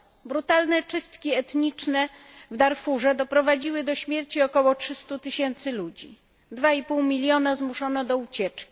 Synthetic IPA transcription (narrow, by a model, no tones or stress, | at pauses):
bɾut̪alnɛt͡ʂɘst̪kʲiɛt̪ɲit͡ʂnɛ | vd̪aɾfuʐɛd̪ɔpɾɔvad͡ʑiwɘd̪ɔɕmʲjɛɾt͡ɕiɔkɔwɔtʂɘst̪ut̪ɘɕɛnt̪sɘlud͡ʑḭ | d̪vaipuwmʲilʲjɔnazmuʂɔnɔd̪ɔut͡ɕɛt͡ʂkʲi̥